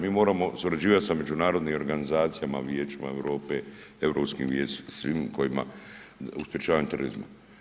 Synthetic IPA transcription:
miːmo̞ːɾamo̞suɾad͡ʑiːʋat̪same̞d͡ʒunaːɾo̞d̪nimo̞ɾɡanizaːt̪sijama̰ʋjeːt͡ʃima̰eʋɾo̞ːpe | eʋɾopskḭʋjeːssʋiːmko̞jima̰ | uspje̞t͡ʃaːʋaɲut̪eɾoɾḭzma̰

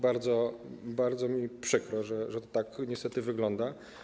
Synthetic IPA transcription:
baɾd̪zɔbaɾd̪zɔmʲipʂɘkɾɔʐɛʐɛt̪ɔ̥t̪akɲɛst̪ɛt̪ɘvɘɡlɔnd̪a

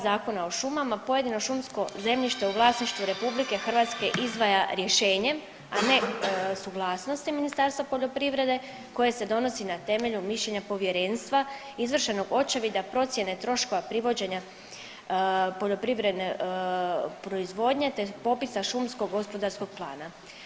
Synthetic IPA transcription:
zaːko̞nao̞ʃumamapo̞je̞d̪ino̞ʃumsko̞ze̞mʎiʃt̪euʋlˠaːsniʃt̪ʋuɾe̞publike̞xr̩ʋat̪ske̞ʔizd̪ʋajaɾje̞ʃe̞ːɲe̞m | ane̞suɡlˠaːsno̞st̪iminist̪aɾst̪ʋapo̞ʎo̞pɾiʋɾe̞d̪e̞ | ko̞jese̞d̪o̞no̞sinat̪e̞meʎumiʃʎeɲapo̞ʋje̞ɾe̞ːnst̪ʋa | izʋr̩ʃe̞no̞ɡo̞t͡ʃaʋid̪apɾo̞t̪sʲje̞ne̞t̪ɾo̞ʃko̞ʋapɾiʋo̞d͡ʑe̞ɲa | po̞ʎo̞pɾiʋɾe̞d̪ne | pɾo̞izʋo̞d̪ɲe̞t̪epo̞pisaʃumsko̞ɡɡːo̞spo̞d̪aɾsko̞ɡ̥̚plˠa̰ːna

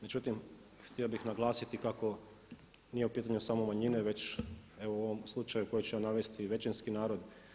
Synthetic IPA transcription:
me̞d͡ʒut̪im | xt̪iobixnaɡlˠaːsit̪ikako̞ | nije̞upiːt̪̬aɲusamomaɲineʋe̞t͡ɕe̞ʋooʋomslˠut͡ʃajuko̞jet͡ɕejaːnaʋe̞st̪iʋe̞t͡ʃenskinaːɾo̞d̪

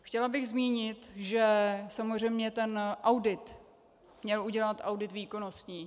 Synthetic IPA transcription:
xcɛlabɪɣzmiːɲɪt̪ʒɛsamozr̝ɛjmɲɛt̪ɛnʔawdɪt̪ | mɲɛlʔuɟɛlat̪ʔawdɪt̪viːko̞no̞st̪ɲiː

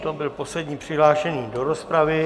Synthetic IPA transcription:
t̪obɪlpo̞slɛdɲiːpr̝̥ɪɦlaːʃɛɲiːdo̞ɾo̞spɾavɪ

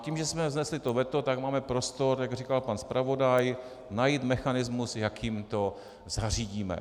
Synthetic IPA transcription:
cimʒɛsmɛvznɛslɪt̪ovɛt̪ot̪aɡmaːmɛpɾost̪oɾjaɡrikalpanspɾavo̞daj | najit̪mɛxanɪzmusjakjimt̪o̞ | zar̝iːɟiːmɛ̰

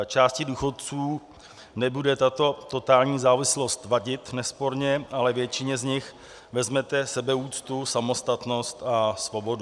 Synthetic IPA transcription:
t͡ʃaːscɪduːxo̞t̪̚t͡suː | nɛbudɛt̪at̪o̞t̪o̞t̪aːlɲiːzaːvɪslo̞st̪vaɟɪt̪nɛspo̞ɾɲɛʔalɛvjɛt͡ʃɪɲɛzɲɪx | vɛzmɛt̪ɛsɛbɛuːt͡st̪usamo̞st̪at̪no̞st̪asvo̞bo̞du

